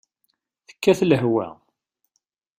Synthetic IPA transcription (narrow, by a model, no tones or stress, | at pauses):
θə̥kːæθləɦwæ̰